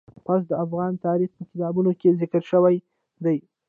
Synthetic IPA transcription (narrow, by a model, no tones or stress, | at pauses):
pɑs̬d̪əafɣɑnt̪ɑɾixpəkɪt̪ɑbunokezɪkəɾʃəwaj | d̪aj